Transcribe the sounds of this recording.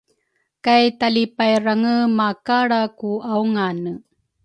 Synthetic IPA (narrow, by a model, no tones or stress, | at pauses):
kajtalipajɾaŋəmakaɽakuawŋanə